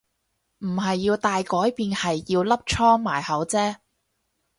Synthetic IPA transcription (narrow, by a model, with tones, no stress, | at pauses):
m̩˨˩ɦɐ˨jːiː˧wt̪aː˨jkɔː˨˥jpiː˧nhɐ˨jːiː˧wlɐ˥p̚t͡ʃʰɔː˥ŋmaː˨˩jhɐ˨˥wt͡sɛː˥